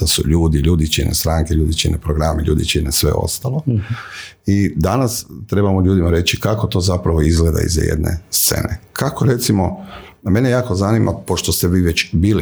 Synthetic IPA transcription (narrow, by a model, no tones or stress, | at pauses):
asṵʎuːd̪iʎuːd̪it͡ʃinʔḛst̪ɾaːŋkeʎuːd̪it͡ʃinepɾoɡɾameʎṵːd̪it͡ʃinesʋe̞̰o̞̰st̪alo̞ | id̪anast̪ɾe̞bamoʎuːd̪imaɾe̞t͡ʃikako̞t̪o̞ːzapɾaʋo̞izɡle̞d̪a̰ḭzjḛd̪nʔḛst̪sḛːnekʰakoɾe̞t̪simo̞me̞nejaːko̞zanimʔa̰poʃt̪ost̪eʋiːʋet͡ɕbili